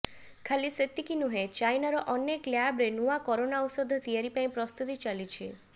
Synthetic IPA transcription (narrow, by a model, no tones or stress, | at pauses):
kʰaliset̪ːikinuɦet͡ʃajnaɾɔʔɔnekljabɾenuakɔɾonaɔsɔd̪ʱːt̪ieɾipãĩpɾɔst̪ut̪it͡ʃalit͡ʃʰe